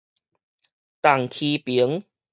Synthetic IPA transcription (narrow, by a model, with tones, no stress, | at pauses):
t̪a˨˩ŋkʰi˧pi˨˦ŋ